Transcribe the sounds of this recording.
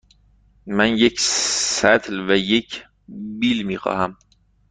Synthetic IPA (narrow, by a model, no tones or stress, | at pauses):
mænjecʰsæt̪ʰlvæjecʰ | biːlmiːxɒ̰ːhæm